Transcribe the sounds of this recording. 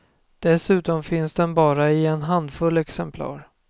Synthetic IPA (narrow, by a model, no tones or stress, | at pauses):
d̪̥ɛsʉ̟ːt̪ɔmfɪnsd̪ɛnbɑːɾaɪɛnɦand̪fɵlːɛksɛmpʰlɑ̰ːɾ